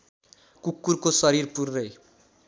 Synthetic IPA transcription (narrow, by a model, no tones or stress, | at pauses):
kukːurkosʌɾirpurːʌj